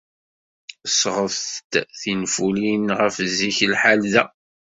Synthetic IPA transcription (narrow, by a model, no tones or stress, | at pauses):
sʁəft̪θinfulinʁəfziçlħalðæ